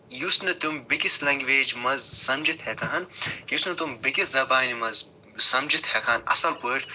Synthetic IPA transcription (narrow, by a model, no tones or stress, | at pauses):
jusnɐt̪umbikislɐŋɡʋeːd͡ʒmɐzsɐmd͡ʒit̪hɛkɐɦɐnkiusnɐt̪umbikiszɐbaːnimɐz | sɐmd͡ʒit̪hɛkʰaːnɐ̰sɐlkuʈʰ